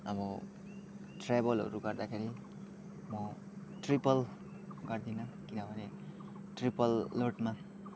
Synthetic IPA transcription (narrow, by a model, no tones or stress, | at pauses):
ʌbʌ | ʈrajbʌlɦʌ̰ɾuɡʌrd̪akʰeɾi | mʌ | ʈripʌl | ɡʌrd̪inʌkinʌbʱʌne | ʈripʌlːoʈma